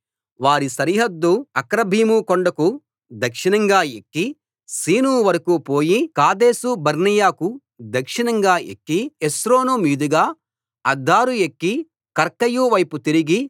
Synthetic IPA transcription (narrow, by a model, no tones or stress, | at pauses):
ʋaːɾisɐɾiɦɐd̪ːuɐkɾɐbʱiːmukoɳɖɐku | d̪ɐkʂinɐŋɡaːekːi | siːnuːʋɐɾɐkupoːjikaːd̪e̞ːsubɐɾnijaːku | d̪ɐkʂinɐŋɡaːḛkːiesɾo̞ːnumiːd̪uɡaː | ɐd̪ʱːaːɾuekːi | kɐɾkɐjuːʋɐjput̪iɾiɡi